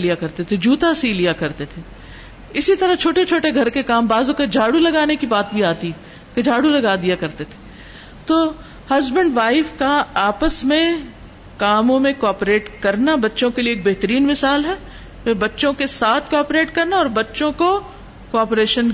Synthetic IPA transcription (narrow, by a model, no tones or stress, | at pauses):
lijakɐɾt̪et̪ʰed͡ʒuːt̪asiːlijakɐɾt̪et̪ʰe | ɪsit̪ɐɾɐt͡ʃʰoːʈet͡ʃʰoːʈeɡʱɐɾkekaːmbaːzõkɐd͡ʒʱaːɽulɐɡaːnekibaːt̪bʱiaːt̪iɦɛ | ked͡ʒʱaːɽulɐɡaːd̪ijakɐɾt̪et̪ʰe̥ | t̪oː | hɐzbə̃ɳɖʋaːɪfkaaːpəsmẽ | kaːmõmẽkoaːpɾeːʈkɐɾnabɐtːʃõkelieːk̚bɛɦt̪əɾiːnmɪsaːlɦɛ | ʋeːbɐtːʃõkesaːt̪ʰkɔːpɾeːʈkɐɾnaɔːɾbɐtːʃõko | koaːpɾeːʃən